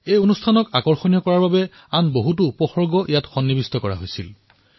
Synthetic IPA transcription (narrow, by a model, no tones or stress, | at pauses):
ejonustʰanɔkakɔɹxonijɔkɔɹaɹbabɛ | anboɦut̬ʊpɔxɔɹɡɔʔijatxɔnːibistɔkɔɹa̰ɦojsil